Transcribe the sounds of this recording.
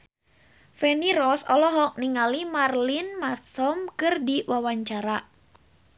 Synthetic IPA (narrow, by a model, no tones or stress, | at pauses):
fɛniɾɔsɔlɔɦɔk̚niŋalimarlinmasɔmkɨrdiwʔawaɲt͡ʃaɾa